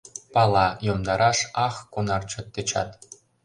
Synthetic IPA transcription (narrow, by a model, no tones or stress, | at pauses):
pɑlˠɑjomd̪ɑɾɑʃɑxkonɑrt͡ɕɤ̆t̪ːɘ̆t͡ɕɑ̰t̪